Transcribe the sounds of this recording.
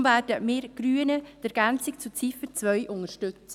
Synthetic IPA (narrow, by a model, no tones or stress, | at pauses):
mvæːɾdəmɪːɾɡ̥ɾyːənəd̥ɛɾɡ̥ænt͡sikt͡sut͡sifəɾt͡sʋœjʔʊŋəɾʃtɵt͡sə